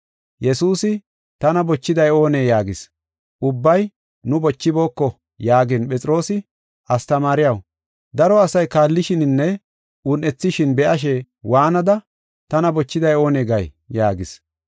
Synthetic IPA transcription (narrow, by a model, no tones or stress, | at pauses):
jɛsuːsɪ | t̪ɐnɐbɔt͡ʃːɪd̪ɐjo̞ːneːjaːɡɪs | ʔʊbːɐj | nʊbɔt͡ʃːɪbo̞ːkːɔ | jaːɡɪnpɛt͡sʼɪɾo̞ːsɪ | ʔɐst̪ɐmaːɾɪjɐw | d̪ɐɾɔɐsɐjkaːlːɪʃɪnɪnːɛ | ʊnʔɛt͡sːɪʃɪnbɛʔɐʃ̬ɛ | waːnɐd̪ɐ | t̪ɐnɐbɔt͡ʃːɪd̪ɐjo̞ːneːɡɐj | jaːɡɪs